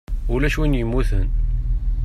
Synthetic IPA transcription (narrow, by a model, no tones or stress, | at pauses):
ulæʃwinjəmːuθən